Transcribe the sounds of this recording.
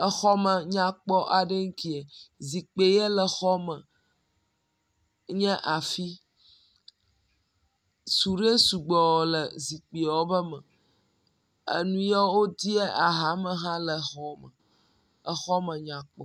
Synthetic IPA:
ə˨xɔ˦mə˨ɲã˦k͡pɔ˦ʔa˨ɖe˦ŋ̩˦ki˦e˨zi˨k͡pe˨jɛ˦lə˨xɔ˦mə˨ | ɲɛ̃˦ʔa˨fi˦ | su˨ɾe˦su˨ɡ͡bɔ˨wɔ˨lə˨zi˨k͡pi˨wo˦bə˦mə̃˨ | ḛ˦nũ˦jɔ˦wo˦d̪i˦ɛ˦ʔa˨ɦa˨˦mə̃˨ɦã˦lə˨xɔ˦mə̰˨ | ə˨xɔ˦mə̃˨ɲã˨k͡pɔ˨

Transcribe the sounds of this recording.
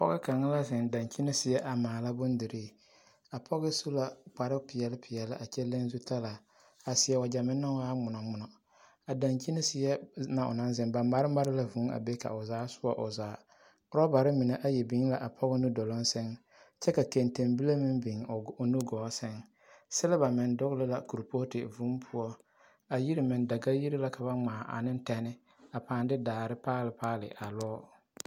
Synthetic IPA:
pɔ̰˦ɣɪ˦ka˨ŋɪ˦la˦sɪ˨nda˨ŋt͡ʃi˦ne˦sɪ˨jɛ˦ʔa˨maː˨la˦bʊ˦n˦di˨ɾi˦˨ | a˨pʰɔ˦ɣɪ˦su˦la˨k͡pa˨ɾɪ˦pɪ˨jɛ˨lɪ˦pʰɪ˨jɛ˨lɪ˦ʔa˨t͡ʃɛ˦le˦n˦zu˦tʰa˦la˨ | a˨sɪ˨jɛ˨wa˨d͡ʒa˨mɪ˦nːa˦waː˦ŋ͡mʊ˨nɔ˨ŋ͡mʊ˨nɔ˨ | a˨da˨nt͡ʃi˦ne˦sɪ˨jɛ˦na˨ʔʊ̰˨na˦n˦zɪ˨ŋba˨ma˦ɾɪ˦ma˦ɾɪ˦la˨vu˨˦a̰˨be˦ka̰˨ʊ˨zaː˨˦sʊ˦ɔ˨ʔʊ˨zaː˨˦ | ʊ˦ɾɔ˦ba˨ɾɪ˦mɪ˨ne˦ʔa˦jɛ˨bɪ˨˦ŋ˦la˨ʔa˨pʰɔ˦ɣɪ˦nu˦dɔ˨lɔ˦nsɪ˦ŋ | t͡ʃɛ˦ka˨ke˨nte˨mbi˦la˦mɪ˦nbɪ˨ŋ˨nu˦ɡɔː˨˦sɪ˦ŋ | sɛ˦la˦ba˨mɪ˨ndʊ˦ɣlɪ˦la˨ku˨ɾpo˦tɪ̰˨vu˦pʰʊ˦ɔ˦ | a˨ji˦ɾi˨mɪ˨nda˨ɡa˦ji˦ɾi˦la˦kʰa˨βa˦ŋ͡maː˨ʔa̰˨nɪ˦n̩˦tɛ˨nɪ˦ | a˨paː˨ndɪ˦daː˨ɾɪ˦paː˦lɪ˨paː˦lɪ̰˨ʔa̰˨lɔː˦

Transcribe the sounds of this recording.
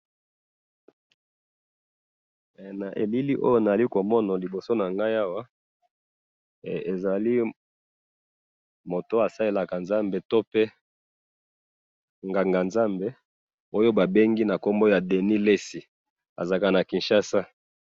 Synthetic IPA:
na˨ʔḛ˨li˦li˦ʔo̰˦jo˦na˨a˨li˦ko˨mɔ˦na˨li˨bo˨so˦na˨ŋɡa˦ja˦wa˦˨ | e˨za˨li˦ | mo˨to˦a˨sa˦le˦la˨ka˨nza˦mbe˨to˦pe˦ | ŋɡa˨ŋɡa˨nza˦mbe˦ | o˦jo˦ba˨be˦ŋɡi˦na˨ko˦mbo˦ja˨de˨ni˦le˦si˨ | a̰˨za˨ka˨na˨ki˨nʃa˦sa˦

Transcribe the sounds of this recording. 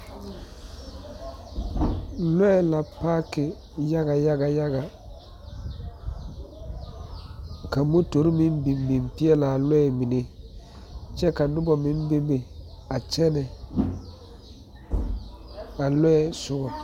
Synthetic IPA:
lɔ˦ɛ˨la˨pa˦kɪ˨ | ja˦ɡa˨ja˦ɡa˨ja˦ɡa˨ | ka˨mo˦to˨ɾi˦mi˦mbi˨mbi˨mpi˦ɛ˦la˨lɔ˦ɛ˨mi˨ne˦ | t͡ʃɛ˦ka˨nʊ˦bɔ˨mɪ˦m˦be˦be˨a˨t͡ʃɛ˦nɛ˨ | a˨lɔ˦ɛ˨sʊ˦ɡɔ˨

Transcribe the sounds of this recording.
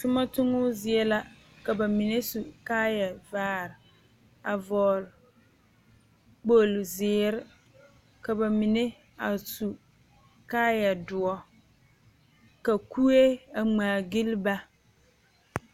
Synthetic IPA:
tʊ˦ma˦tʊ˦ŋʊ˦zɪ˨ɛ˦la˦ | ka˨ba˨mi˨ne˦su˨kaː˦ja˨vaː˦ɾ | a˨vɔː˨l | k͡po˦lzɪː˨ɾɪ˦ | ka˨ba˨mi˨ne˦ | a˨su˨ | kaː˦ja˨dʊ˨ɔ˦ | ka˨ku˦e˦a˨ŋ͡maː˨ɡi˦lba˦

